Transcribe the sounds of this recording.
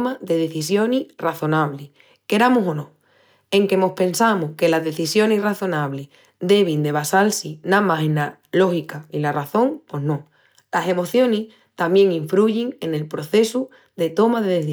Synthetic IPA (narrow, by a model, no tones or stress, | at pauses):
maðe̞ð̞e̞θisjo̞niraθo̞naβli | ke̞ɾamusonõ | e̞ŋke̞mo̞hpẽ̞nsamuhke̞lazðe̞θisjo̞nisraθo̞naβ̞leh | d̪e̞β̞ind̪e̞βasalsinamaɦina | lo̞xikailaraθõ̞ŋpwe̞ɦno̞ | lase̞mo̞θjo̞nih | t̪amje̞ŋiɱfɾuʝiŋe̞ne̞lpɾo̞θe̞su | ðe̞t̪o̞maðe̞ðe